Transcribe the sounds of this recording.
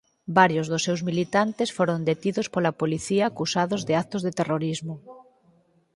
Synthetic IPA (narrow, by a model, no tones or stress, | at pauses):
baɾjozðʊsːewzmilit̪ant̪esfoɾond̪et̪iðospolapoliθiaːkusaðozðɪakt̪ozðet̪eroɾizmʊ